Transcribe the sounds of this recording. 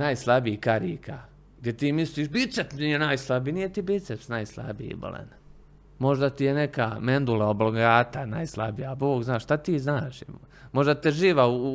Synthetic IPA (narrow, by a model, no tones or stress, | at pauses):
najslˠabiikaɾḭːkʰa | ɡ̚d̪jet̪iːmisliːʃbit̪sep̪nijenajslˠabinije̞t̪ibit̪sepsnajslˠa̰bḭḭbo̰lḛn | mo̞ʒd̪at̪ijenekamend̪ulaobloɡaːt̪anajslˠabijaboːɡznaːʃʃt̪at̪iːznaːʃ | mo̞ʒd̪at̪eʒiːʋau